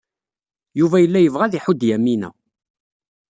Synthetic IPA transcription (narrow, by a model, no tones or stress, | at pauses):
juvæjəlːæjəvʁæðiħʊd̪jæmːinæ̰